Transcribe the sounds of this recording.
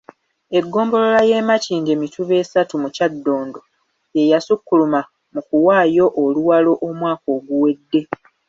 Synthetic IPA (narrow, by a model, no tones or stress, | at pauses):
e̞ɡːo̞ːmbo̞lo̞laje̞ːmaciːɲɟemitʰuβe̞ːsatumucadːoːndo̞ | je̞jasukːuluma | mukuwaːjo̞ʔoluwalo̞ʔomwaːko̞ːɡuwe̞dːe̞